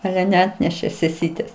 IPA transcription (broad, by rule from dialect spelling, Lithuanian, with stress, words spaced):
ˈɑːlʲɛ nʲɛˈɑːtʲnʲɛʃʲeː sʲɛˈsʲiːtʲeːs